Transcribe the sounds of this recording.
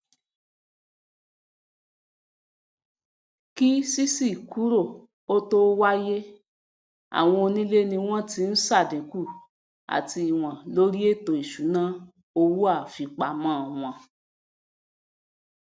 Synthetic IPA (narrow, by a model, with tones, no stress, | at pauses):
ki˦si˦si˦˨kʰu˨˦ɾo˦˨ | o˦to˦wa˦je˦ | a̰˨w̃ɔ̃˧nĩ˦le˦nĩ˧w̃ɔ̃˦ti˧n̩˦sa˦˨dĩ˨˦ku˦˨ | a̰˨ti˧i˨w̃ã˨lo˦ɾi˦e˦˨to˨i˨ʃu˨˦nã˦ | o˧wu˦a˦˨fi˧k͡pa˨mã˨˦˨w̃ɔ̃˧